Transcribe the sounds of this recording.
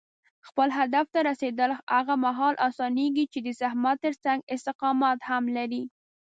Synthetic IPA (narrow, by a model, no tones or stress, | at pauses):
xpəlɦad̪aft̪aɾased̪əlaɣamaɦɑlʔɑsɑneɡit͡ʃed̪əsahmat̪ːəɾt͡saŋɡɪst̪ɪqɑmɑt̪hamlaɾi